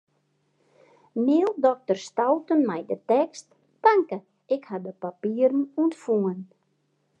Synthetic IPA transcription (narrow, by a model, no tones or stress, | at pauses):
mɪːlˠdɔk̚tərstawtənmɛjdətɛkst | paŋkə | ɪkhadəpapiərn̩uəntfuən